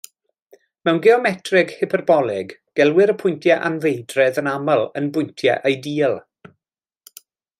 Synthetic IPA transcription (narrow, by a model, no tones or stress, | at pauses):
mɛwnɡɪɔmɛtʰrɪɡhɪpʰərbɔlˠɪɡɡ̥ɛlˠwɪɾəpʰʊjntʰjɛʔanvejdrɛðənaməlˠənbʊjntʰjɛ̰ʔejdiːlˠ